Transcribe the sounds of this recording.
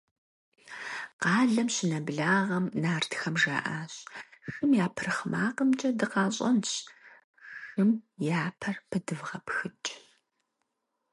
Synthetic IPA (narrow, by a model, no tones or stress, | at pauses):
qɑːɮɐmɕɪnɐbɮaːʁɐmnaːrtʰxɐmʒa̰ːʔaːɕxɨmjaːpʰɨrɨχmaːqəmt͡ʃʼɐdɨqɑːɕʼɐ̰nɕ | xɨmjaːpʰɐrpʰɨdɨvʁɐpxɨt͡ʃʼ